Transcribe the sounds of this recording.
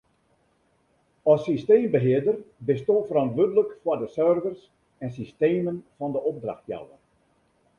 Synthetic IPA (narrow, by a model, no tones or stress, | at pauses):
ɔsːisteːmbəɦɪərdərbɪstoːfərɔntʋødələkfwɔdəsørvərs | ɛnsisteːmənfɔndəʔob̚dra̰xtja̰wə̰n